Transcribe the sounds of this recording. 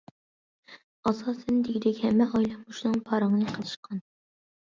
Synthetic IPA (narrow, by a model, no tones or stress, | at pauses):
ɑsɑːsɛnd̪ɪɡʲid̪ɛkʲhɛmːɛʔɑjlˠɑmmuʃnɨŋpʰɑɾɑŋnɨqʰəlˠɨʃqʰɑn